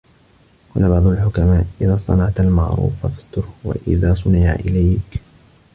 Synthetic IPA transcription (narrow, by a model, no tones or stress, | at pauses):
qɑːlabɑʕd̪ˤʊlħʊkamaːʔʔɪðaːsˤt̪ˤɑnɑʕt̪almaʕɾˤṵːfafḁst̪ʊɾwa̰ʔɪ̰ðaːsˤʊnɪʕa̰ʔɪ̰lajk